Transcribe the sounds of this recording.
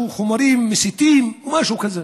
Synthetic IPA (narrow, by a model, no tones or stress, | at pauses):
xʊmɑɾiːmːɪsɪt̪iːmwmaʃuwkaza